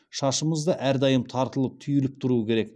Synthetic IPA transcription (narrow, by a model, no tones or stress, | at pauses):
ʃɑʃəməzd̪əʔæɾd̪ɑjəmt̪ʰɑɾt̪əlˠəp̚t̪ʰʏjɪlɪp̚t̪ʰʊɾuəkʲʰe̞ɾe̞k